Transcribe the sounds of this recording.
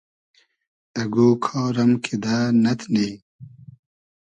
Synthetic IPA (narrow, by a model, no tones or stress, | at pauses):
ɐɡoːkʰɔːɾɐmkʰid̪aːnɐt̪ʰneː